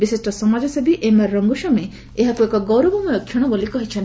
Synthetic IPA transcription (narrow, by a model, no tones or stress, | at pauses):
bisesʈɔsɔmad͡ʒɔsebiʔemaɾːɔŋɡuʃɔme | eɦakuekɔɡɔwɾɔbɔmɔjɔkʰːjɔɽ̃ɔbolikɔɦit͡ʃʰɔn